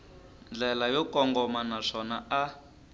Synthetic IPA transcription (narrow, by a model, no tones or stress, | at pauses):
nd͡ɮɛlajɔkɔŋɡɔmanaʂɔnaa